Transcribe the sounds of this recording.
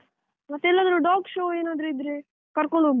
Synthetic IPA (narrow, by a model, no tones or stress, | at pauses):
mɐt̪ːeɛlːaːd̪ɾuɖaːkʃoːeːnaːd̪ɾuid̪ɾe | kɐɾkoɳɖu